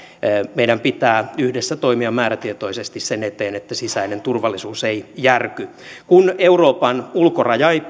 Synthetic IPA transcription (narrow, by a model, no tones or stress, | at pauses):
meiɾæmpit̪æːyhdesːæt̪oimiɑmæːɾæt̪iet̪o̞isest̪issenet̪eːnet̪ːæsisæinent̪urʋɑlːisuːseijærky | kuneuroːpɑnulkorɑjɑi